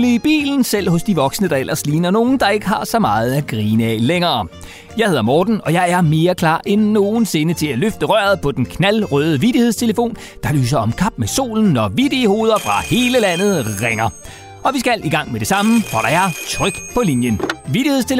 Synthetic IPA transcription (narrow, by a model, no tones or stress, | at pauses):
liib̥ḭːln̩sel̰hɔ̽sd̥iʋɒ̽ɡ̥snəd̥ɑ̈el̰ʔɐsliːnɐno̝ːn̩d̥ɑ̈e̝ɡ̥əɦɑ̈sɒ̽mɑ̈ːð̞̩ˠæɡ̥ʁiːnɛ̰leŋɐː | jɑ̈ɪhe̝ðˠɐmɒːd̥n̩ɒ̽jɑ̈ɪæɐme̝ːɐkʰlɑ̰̈ːʔenːo̝ːn̩se̝nət͡sʰe̝læløfd̥əʁɶɐð̩ˠpʰɒ̽d̥enkʰnælʁœːð̞ˠəʋid̥ihe̝ðˠst͡sʰe̝ləfo̝̰ːn | d̥ɑ̈ly̰ːs̬ɐɒ̽mkʰɑ̈b̥meso̝̰ːln̩ːɒʋid̥eho̝ːð̞ˠɐfʁɑ̈he̝ːləlæn̰ð̞̩ˠʁeŋɐ | ʔɒ̽ʋisɡ̥æl̰ʔiɡ̥ɑ̈ŋ̰med̥e̝sɑ̈məfɒɾ̥ɑ̈æɐt͡sʰʁœɡ̥pʰɒ̽linjənʋid̥ihest͡sʰe̝l